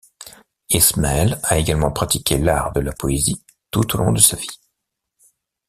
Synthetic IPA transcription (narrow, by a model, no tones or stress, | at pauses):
ɛsmaɛlaeɡalmɑ̃pχat̪ikʲʰelaʁd̪əlapɔezi | t̪ut̪olʔɔ̃d̪əsavi̥